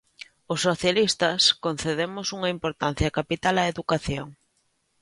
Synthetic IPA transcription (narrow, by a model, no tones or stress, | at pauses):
ʊsːoθjalist̪ɐskon̟θeðemʊsuŋɐimpoɾt̪an̟θjɐkapit̪alɐeðukaθjoŋ